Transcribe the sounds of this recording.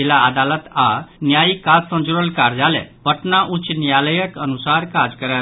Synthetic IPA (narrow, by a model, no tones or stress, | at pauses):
ilaːd̪alət̪anjajikat̪sə̃nd͡ʒuɾəlkaɾd͡zalɛ̰bʱəʈnaʔut͡ʃnjaləjəkənusaɾkad͡zkəɾa